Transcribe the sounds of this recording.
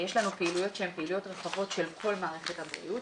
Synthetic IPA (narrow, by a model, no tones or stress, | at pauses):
jeʃlanupeilujo̞tʃehempeilujo̞tʁeχavo̞tʃe̞lkʰo̞lmaːʁe̞χetabʁḭjut